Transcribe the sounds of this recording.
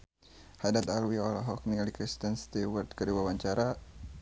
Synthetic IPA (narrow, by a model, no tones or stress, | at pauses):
hadat̪alwiɔlaɦɔk̚nilikɾist̪ənst̪iwərt̪kədiwawaɲt͡ʃaɾa